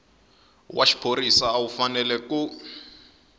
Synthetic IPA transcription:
wʔaʃi̥pʰoɾisaːwufanɛlɛku

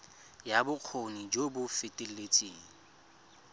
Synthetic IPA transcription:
jabʊq͡χʰonid͡ʒobʊfɪtʼɪl̩et͡sʼiːŋ̩

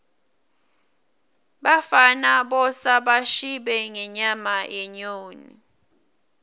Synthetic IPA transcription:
ɓafanaɓɔsaɓaʃiɓɛŋɛɲamaʔɛɲoːnḭ

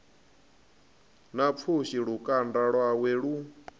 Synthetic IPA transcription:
nap̪fʰuʃiɺukʼandaɺwaweɺu

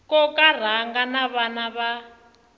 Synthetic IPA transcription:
kɔkar̤aŋɡanaβanaβa

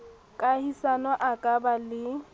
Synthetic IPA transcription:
kʼahisanɔʔakʼabalɪ

